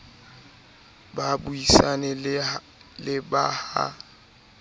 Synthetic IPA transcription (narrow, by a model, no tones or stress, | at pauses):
babuisanɛ | lɪbaha̰